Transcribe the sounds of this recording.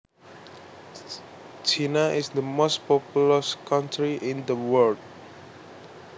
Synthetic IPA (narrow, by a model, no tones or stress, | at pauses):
t͡ʃinaʔɪsd̪əmost̚pɔpuləskãntɹiʔɪ̃nd̪əwəld̚